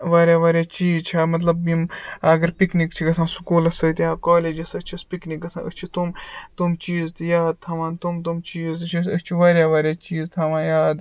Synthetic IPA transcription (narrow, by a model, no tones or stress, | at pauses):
ʋaːɾjaːʋaːɾʲjaːt͡ʃiːzt͡ʃʰaːmɐt̪lɐbːimɐɡɐɾpiknikt͡ʃʰiɡɐsãːnsu̥kuːlɐsɐjt̪jaːkoːleːd͡ʒɐsɐt͡ʃʰispiknik̚ɡɐsã̰ːə̰t͡ʃʰit̪umt̪umt͡ʃiːzt̪ɨjaːd̪̚t̪ʰɐʋãːnt̪umt̪umt͡ʃiːzt̪ɨt͡ʃʰiət͡ʃʰiʋaːɾjaːʋaːɾʲjaːt͡ʃiːzt̪ʰɐʋãːjaːd̪